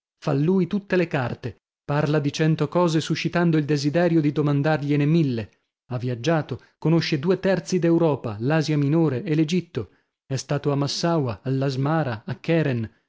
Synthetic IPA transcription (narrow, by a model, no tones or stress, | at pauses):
falːuːjt̪ut̪ːelekart̪e | parlad̪it͡ʃɛnt̪okɔːzesuʃːit̪and̪oild̪ezid̪ɛːɾjod̪id̪omand̪arʎenemilːe | avːiad͡ʒːaːt̪o | konoʃːed̪uːet̪ɛrt̪sid̪ewɾɔːpa̰laːzjaminoːɾeʔelːed͡ʒit̪ːo | ɛst̪aːt̪oamːasːawaalːazmaːɾaakːɛːɾɛn